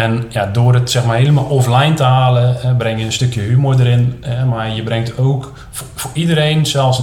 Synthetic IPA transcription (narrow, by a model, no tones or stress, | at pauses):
ɛnjadʊːrətsɛxmarɦeːləmalˠʔɔflɛjntəhaːləɛbrɛŋjəənstøkjəhymojdəɾɪnɛmajəbrɛŋktoːk | fʊridəɾejnsɛlˠs